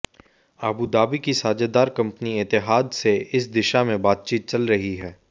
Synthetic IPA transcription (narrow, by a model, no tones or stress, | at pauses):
aːbuːd̪aːbikisaːd͡ʒad̪aːɾkɐ̃mpəniɪt̪ɪɦaːd̪seɪs̬d̪ɪʃamẽbaːt̪̚t͡ʃiːt̪̚t͡ʃɐlɾɐɦiɦɛː